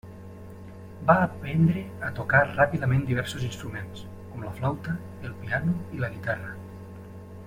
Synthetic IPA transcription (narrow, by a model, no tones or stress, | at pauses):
baːpɛnd̪ɾeat̪okarapiðəmẽnd̪iβ̞ɛɾsozinst̪ɾumẽns | kɔmləflawt̪ə | elˠpianuiləɣit̪arə